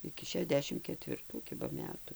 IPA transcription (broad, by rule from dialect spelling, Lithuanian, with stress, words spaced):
ɪkʲɪ ʃʲɛˈdʲæːʃʲɪm kʲɛtʲʋʲɪrˈtuː ˈkʲɪbɐ ˈmʲæːtʊ